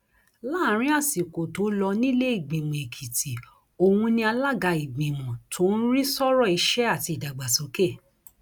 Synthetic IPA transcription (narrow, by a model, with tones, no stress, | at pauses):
la˦˨˦ɾ̃ĩ˨˦a˦˨si˨ko˨to˨˦lɔ˧nĩ˦le˦i˦˨ɡ͡bĩ˨mɔ̃˨e˨kʰi˨ti˨ | o˧wũ˧nĩ˦a˧la˦ɡa˧i˨ɡ͡bĩ˨mɔ̃˨tʰo˨˦n̩˦ɾi˦sɔ˦ɾɔ˦˨i˧ʃɛ˦a˦˨ti˧i˨da˨ɡ͡ba˨so˨˦ke˦˨